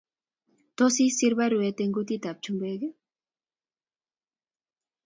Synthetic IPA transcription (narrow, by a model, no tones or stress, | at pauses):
t̪osisiɾβaɾuet̪eŋɡut̪it̪ap̚t͡ʃumbeɣe